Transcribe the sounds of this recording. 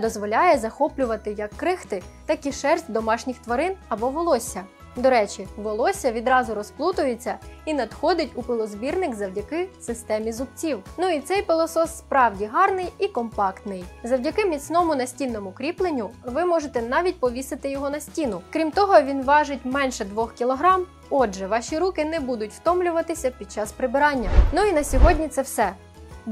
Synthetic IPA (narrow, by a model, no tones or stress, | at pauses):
d̪ɔzʋɔlʲajɛzɐxɔplʲʊʋɐt̪ɪjɐkːɾɪxt̪ɪt̪ɐkʲiʃɛrsʲtʲd̪ɔmɑʃnʲixt̪ʋɐɾɪnɐbɔʋɔlˠɔsʲːɐ | d̪ɔɾɛt͡ʃiʋɔlˠɔsʲɐʋʲid̪ɾɑzʊɾɔsplˠut̪ʊjet͡sʲːɐinɐd̪xɔd̪ɪtʲupɪlˠɔzbʲirnɪkzɐwdʲɐkɪsɪst̪ɛmʲizʊp̚t͡sʲiwnuit̪sɛjpelˠɔsɔsːpɾɑwdʲiɦɑrnɪjikɔmpɑkt̪nɪjzɐwdʲɐkɪmʲit͡sʲnɔmʊnɐsʲtʲinːɔmʊkɾʲiplˠenʲːʊʋɪmɔʒet̪ɛnɑʋʲit̚ʲpɔʋʲisɪt̪ɪjɔɦɔnɐsʲtʲinʊkɾʲimt̪ɔɦɔʋʲinʋɑʒɪtʲmɛnʃɛd̪ʋɔxkʲilˠɔɦɾɑm | ɔd͡ʒʒɛʋɑʃʲiɾukɪnɛbud̪ʊtʲwt̪ɔmlʲʊʋɐt̪ɪsʲɐpʲid̪̚t͡ʃɑspɾɪbɪɾɑnʲːɐnuinɐsʲɔɦɔdʲnʲit̪sɛwsɛ